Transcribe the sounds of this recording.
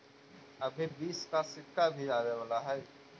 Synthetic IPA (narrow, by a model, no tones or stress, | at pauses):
ɐbʱibiːskasɪkːabʱiaːweʋaːlaɦɛː